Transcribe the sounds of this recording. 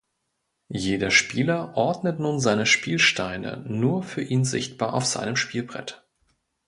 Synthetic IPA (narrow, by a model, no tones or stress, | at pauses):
jeːdɐʃpiːlɐʔɔɐdnətnuːnzaɪnəʃpiːlʃtʰaɪnə̰nuːɐfyːɐʔiːnzɪ̰çt̚b̥aːɐʔa̰ʊfz̥a̰ɪnəmʃpiːlbʁɛ̰t